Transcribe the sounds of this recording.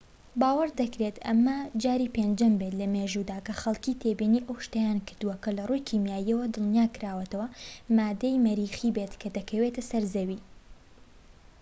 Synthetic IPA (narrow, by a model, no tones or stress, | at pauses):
baːwɐɾd̪ɐkɾet̪ʔɐ̰mːɐd͡ʒaːɾiːpend͡ʒɐmbet̪lɐmeːʒud̪aːkɐxɐlˠkit̪ʰebiniːʔɐwʃt̪ɐjaːnkɨɾd̪uwɐkɐlɐrujkʰiːmjaːjiɐwɐd̪ɨlnijaːkɨɾaːwɐt̪ɐwɐmaːd̪ɐjmɐɾiːxibet̪kʰɐd̪ɐkʰɐwet̪ɐsɐɾzɐwiː